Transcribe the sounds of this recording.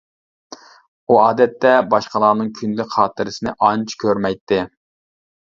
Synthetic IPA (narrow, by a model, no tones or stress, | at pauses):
uɑːd̪ɛt̪ːɛbɑʃqəlˠɑːnɨŋkʲʰynlɪχɑːt̪ɨɾɪsɪnɪʔɑnt͡ʃʰkʲʰøɾmɛjt̪ʰːɪ